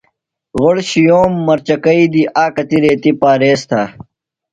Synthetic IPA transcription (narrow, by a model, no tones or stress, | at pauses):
ɣoɽɕijoːmːɐɾt͡ɕɐkɐid̪iʔaːkɐt̪iɾeːt̪ipaːɾeːst̪ʰaː